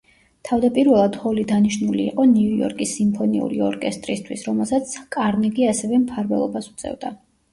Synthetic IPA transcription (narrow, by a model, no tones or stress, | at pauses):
t̪ʰavd̪apʼiɾvɛlˠad̪hɔlid̪aniʃnuliːqʼɔniujɔ̰ɾkʼisːimpʰɔnḭṵɾḭɔɾkʼɛst̪ʼɾist̪ʰwisɾɔmɛlˠsat̪sʰkʼaɾmiɡiasɛvɛmpʰaɾvɛlˠɔbasu̥t̪sʼɛ̰vd̪a